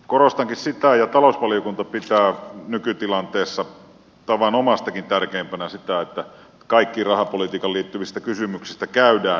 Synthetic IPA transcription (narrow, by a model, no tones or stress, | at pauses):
korost̪ɑŋkissit̪æjɑt̪ɑlousʋɑlijokunt̪ɑpit̪æːnykyt̪ilɑnt̪eːsːɑ | t̪ɑʋɑnomɑst̪ɑkint̪ærkeːmpænæsit̪æet̪ːæ | kɑikːirɑhɑpolit̪iːkɑliːt̪ːyʋist̪ækysymyksist̪ækæydæː